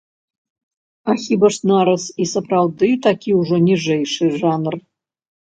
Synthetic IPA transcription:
axʲibɐʂnaɾɐsisɐprawd̪ɨt̪akʲiuʐɔnʲiʐɛjʂɨʐanr

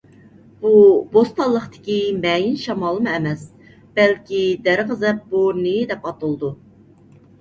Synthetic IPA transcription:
b̥ubost̪ɑlˠːəχt̪ɪ̥kʲimɛjinʃɑmɑːlˠɨmɨɛmɛs | b̥ɛlkʲid̪æɾʁəzɛp̚boɾnɪd̪ɛpɑt̪ɨlˠd̪u

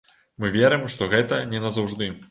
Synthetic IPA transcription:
mɨvʲɛɾɨmʂt̪ɔɣɛt̪ɐnʲɛnɐzɐwʐd̪ɨ

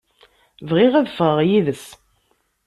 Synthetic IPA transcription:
vʁiʁæðfʁəʁjiðəs

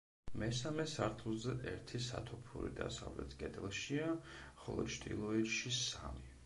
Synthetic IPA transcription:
mɛsamɛsaɾt̪ʰlˠzɛʔɛɾt̪ʰisat̪ʰɔpʰṵɾḭd̪asavlɛ̰t̪ʰkʼɛd̪ɛlˠʃiaχɔlˠɔ̰t͡ʃʰd̪ḭlˠɔiʃisami

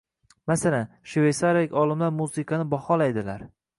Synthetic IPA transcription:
masalan | ʃvejsaɾlɪkʲɒlɪmlaɾmusɪkʰɑnɪbɒhɒlajd̪ɪlaɾ

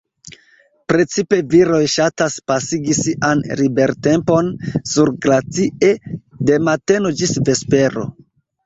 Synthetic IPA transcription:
pɾe̞t͡sipe̞viɾo̞jʃataspasiɡisiʔanɾibe̞ɾte̞mpo̞nsuɾɡlat͡sie̞de̞mate̞no̞d͡ʒisve̞spe̞ɾo̞̰

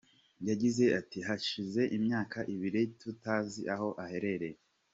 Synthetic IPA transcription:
jaɟize̞atihaʃize̞ʔimɲaːkʰaʔiβiɾitutaːziʔaho̞ʔahe̞ɾe̞ɾe

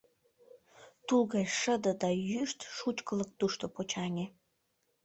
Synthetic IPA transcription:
t̪uɣɑjʃəd̪ə̆d̪ɑjyʃt̪ʃut͡ʃkələk̚t̪uʃt̪opot͡ɕɑnʲe

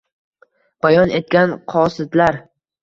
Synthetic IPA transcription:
b̥ajɒne̞t̪̚kʲanqʰɒsɪd̪laɾ

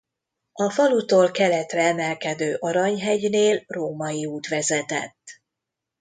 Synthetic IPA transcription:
ɒfɒlut̪oːlkɛlɛt̪rɛɛmɛlkɛd̪øːʔɒɾɒɲɦɛɟneːlroːmɒjiuːt̪ʋɛzɛt̪ɛ̰t̪ː

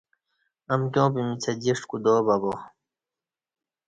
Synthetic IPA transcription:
ɐmkʲjõːpimit͡sʰɐd͡ʑiʂkud̪oːbɐboː

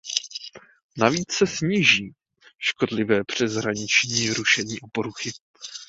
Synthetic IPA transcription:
naviːt͡ssɛsɲiːʒiː | ʃko̞dlɪvɛːpr̝̥ɛzɦɾaɲɪt͡ʃɲiːɾuʃɛɲiːʔo̞poɾuxɪ

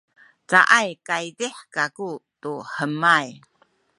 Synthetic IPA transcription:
t͡sa̰ʔajkaidiħkakutuħəmaj

